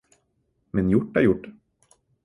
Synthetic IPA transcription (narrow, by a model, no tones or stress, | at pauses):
mɛnjʊʈːæɾjʊʈː